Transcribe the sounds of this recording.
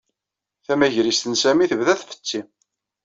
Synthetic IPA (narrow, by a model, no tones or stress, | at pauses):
θæmæʝɾist̪ənsæmiθəvðæθfə̥t͡sːi